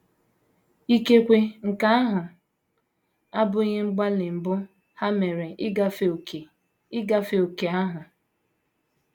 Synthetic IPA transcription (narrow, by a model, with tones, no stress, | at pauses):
i˦ke˦kʷe˦ŋ̩˨ka˦a˦ɦʊ˨ | a˦bʊ˦ɲe˦ŋ͡m̩˦ɡ͡ba˦lɪ˨m̩˨bʊ˦ | ha˦me˨ɾe˨ʔɡa˦fe˨ | ɪ˦ɡa˦fe˨o˨ke˨a˦ɦʊ˨